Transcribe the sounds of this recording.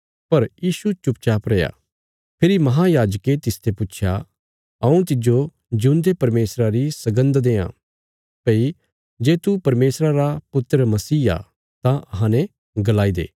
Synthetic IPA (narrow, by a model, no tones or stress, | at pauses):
pɐɾjiːsut͡ʃʊpt͡ʃaːpɾɛːja̰ | pʰɪɾimɐɦãjaːd͡ʒəket̪ɪst̪ʰepʊtːʃʰja̰ | ɐũt̪ɪd͡ʒo | d͡ʒũnd̪epɐɾmeːsɾaɾisɐɡə̃nd̪d̪eːã̰ | pei | d͡ʒeːt̪upɐɾmeːsɾaɾapʊt̪ːɾəmɐsiːa̰ | t̪ãʔɐɦãnɛ | ɡɐlaːid̪ḛː